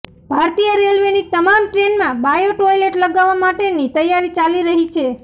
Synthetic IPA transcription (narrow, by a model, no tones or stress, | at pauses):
bʱaɾt̪ijəɾelʋenit̪əmamʈɾenmãbajoʈojleʈləɡaʋːamaʈenit̪əjaɾit͡ʃaliɾəɦit͡ʃʰe